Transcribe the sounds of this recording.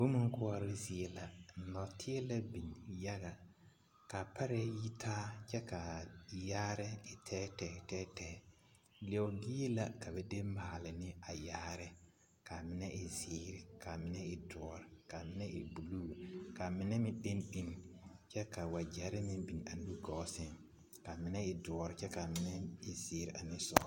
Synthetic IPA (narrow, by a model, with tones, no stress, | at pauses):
bo˦mu˦ŋ˦kʊ˦ɔ˦ɾɪ˦zɪ˦ɛ˦la˨nɔ˨tʰɪ˦ɛ˦la˦bi˨nja˦ɣa˨ | ka˨pʰa˦ɾɛ˦ji˦tʰaː˦t͡ʃɛ˦ka˨jaː˦ɾɛ˦ɪ˨tʰɛ˦tɛː˨tɛː˦tɛː˦˨˦ | lɪ˨ɛ˨wɡi˦e˦la˨ka˨bɛ˦de˦maː˨lɪ˨nɪ˦a˨jaː˦ɾɪ˦ | ka˨mɪ˦nɛ˦ʔɪ˨zɪː˨˦ɾɪ˨ka˨mɪ˦nɛ˦ɪ˨dʊ˨ɔ˨ɾɪ˨ka˨mɪ˦nɛ˦ʔɪ̰˨bu˨luː˦ka˨mɪ˨nɛ˦mɪ̃˦ɗe˦nɗi˦nt͡ʃɛ˦ka˨wa˨d͡ʒɛ˨˦ɾɪ˦mɪ˦bi˨n˨a˨nu˦ɡɔ˨˦sɪ˦ŋ | ka˨mɪ˨nɛ˦ɪ˨dɔ˨ɔ˨ɾɪ˨t͡ʃɛ˦ka˨mɪ˨nɛ˦ɪ˨zɪː˨˦ɾɪ˨a˨nɪ˦sɔ̰˨˦